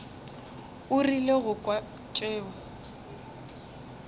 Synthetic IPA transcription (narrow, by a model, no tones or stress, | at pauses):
ʊrileɣʊkʼwa | t͡ʃʼeːɔ